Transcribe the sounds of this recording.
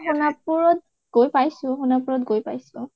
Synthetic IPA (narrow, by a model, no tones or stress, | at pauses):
ɦunapuɹɔt̚ | ɡ̥ojpajsʊ̃ɦunapuɹɔtɡojpajsʊ̃